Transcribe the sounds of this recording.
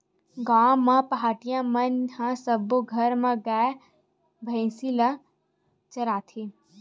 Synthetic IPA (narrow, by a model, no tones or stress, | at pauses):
ɡaːmːãpɐɦaːʈijãmɐnhãsɐboɡʱɐɾmãɡaː | bʱɐɪ̃sila | t͡ʃɐɾaːt̪ʰi